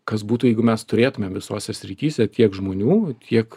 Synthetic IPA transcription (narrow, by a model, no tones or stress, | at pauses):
kɐsbuːt̪uːjɛɪɡʊmʲɛst̪ʊɾʲeːt̪ʊmʲemʋʲɪsoːsʲɛsʲɾʲit̪ʲiːsʲɛt̪ʲiɛkʒmoːnʲuːt̪ʲʰiɛk